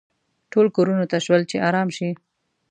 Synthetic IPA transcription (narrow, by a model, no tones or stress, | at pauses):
ʈolkoɾunot̪aʃwəlt͡ʃeʔɑɾɑmʃi